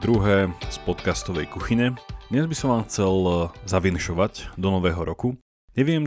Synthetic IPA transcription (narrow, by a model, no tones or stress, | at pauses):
d̪ɾuɦɛːspɔt̪kast̪ɔʋɛjkuxiɲɛd̪ɲɛzbisɔmʋaːmxt͡sɛlzaʋinʃɔʋaɟd̪ɔnɔʋɛːɦɔɾɔku | ɲɛʋɪɛm